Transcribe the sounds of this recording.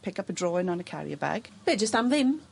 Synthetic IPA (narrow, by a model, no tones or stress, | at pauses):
pʰɪkʌpədɹɔːɪ̃nə̃nəkʰa̰ɹḭəba̰ɡ̥b̥ɛd͡ʒəstãmðɪm